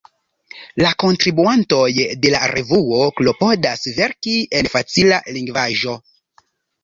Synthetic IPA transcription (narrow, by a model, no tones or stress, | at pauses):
lako̞ntɾibuanto̞jde̞laɾʔevuoklo̞po̞dasve̞ɾkienfat͡silaliŋɡvaʒo̞